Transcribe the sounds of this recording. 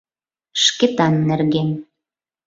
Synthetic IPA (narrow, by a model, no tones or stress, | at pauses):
ʃket̪ɑnːerɣen